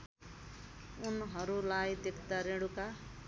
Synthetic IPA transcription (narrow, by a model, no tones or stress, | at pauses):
unɦʌɾulajd̪ekʰt̪aɾeɽuka